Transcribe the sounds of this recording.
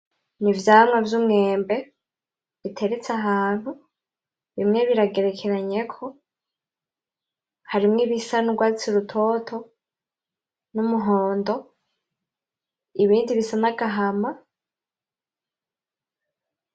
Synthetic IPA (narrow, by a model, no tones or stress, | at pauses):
nivjaːmŋavjumŋe̞ːmbe̞ | βitʰe̞ɾet͡saɦaːn̥hu | βimŋe̞βiɾaɡe̞ɾe̞kʰe̞ɾaɲe̞kʰo̞ | haɾimŋeβisanuɡwaːit͡siɾutʰo̞tʰo̞ | numuɦoːndo̞ | iβiːndiβisanaɡaɦama